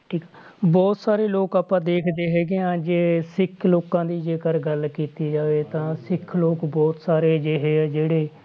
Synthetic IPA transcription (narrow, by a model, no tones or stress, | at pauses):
ʈʰiːkː | bɔːt̪saːɾeːloːkaːpãːd̪eːkʰd̪eːɦɛːɡɪjãːd͡ʒeːsɪkʰloːkãːd̪iːd͡ʒeːkəɾɡəlkiːt̪iːd͡ʒaːʋeːt̪ãːsɪkʰloːkbɔːt̪saːɾeːd͡ʒeːɦeːɛːd͡ʒeːɽeː